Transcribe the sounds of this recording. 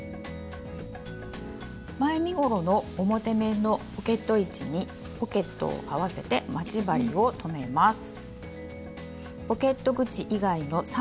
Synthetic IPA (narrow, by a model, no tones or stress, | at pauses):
maemʲiɡo̞ɾo̞no̞ːmot̪e̞me̞no̞ | oke̞t̪ːo̞it͡ɕiɲ̟i | o̞ke̞t̪ːo̞̰ːaβase̞t̪e̞mat͡ɕibaɾʲio̞t̪ʰo̞me̞masɨ̥ | o̞ke̞t̪ːo̞ɡɯ̟t͡ɕiʔiɡaino̞sa